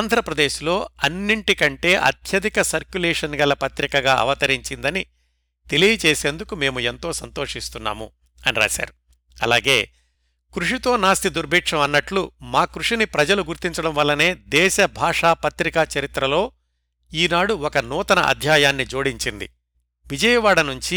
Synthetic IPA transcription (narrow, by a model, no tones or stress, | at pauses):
aːnd̪ʱɾɐpɾɐd̪eːʃilo̞ːɐnːiɳʈikɐɳʈe̞ːʔɐ̰t̪ʰjɐd̪ikɐsɐɾkjulɛːʂɐnɡɐlɐpɐt̪ɾikɐɡaːʔɐ̰ʋɐt̪ɐɾiɲt͡ʃind̪ɐni | t̪e̞lijɐt͡ʃeːse̞ːnd̪ukume̞ːmuent̪o̞ːsɐnt̪o̞ːʂist̪unːa̰ːmu | ɐniɾa̰ːʃa̰ːɾu | ɐla̰ːɡe̞ː | kɾuʂit̪o̞ːnaːst̪id̪uɾbʱiːkʂɐmɐnːɐʈlumaːkɾuʂinipɾɐd͡ʒɐluɡuɾt̪iɲt͡ʃɐɽɐmʋɐlːɐne̞ːd̪ɛːʃɐbʱaːʂaːpɐt̪ɾikɐt͡ʃɐɾit̪ɾɐlo̞ː | iːnaːɽuɔkɐnuːt̪ɐnɐ̰ʔɐ̰d̪ʱjaːjaːnːid͡ʒo̞ːɽiɲt͡ʃind̪ḭ | ʋid͡ʒɐjɐʋaːɽɐnuɲt͡ʃi